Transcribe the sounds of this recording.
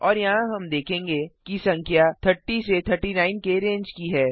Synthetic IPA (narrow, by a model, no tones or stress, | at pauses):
ɔːɾjɐɦãɦɐmd̪eːkʰẽːŋɡekisɐ̃ŋkʰjat̪ʰəɾʈiset̪ʰəɾʈinaːɪnkeɾẽːɲd͡ʒkiɦɛː